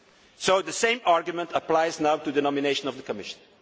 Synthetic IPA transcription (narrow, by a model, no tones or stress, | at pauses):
soʊðəsẽɪ̃maɹɡjumə̃ntəplaɪznaʊtudənɔmineɪʃə̃nɔvðəkʰəmɪʃə̥̃n̩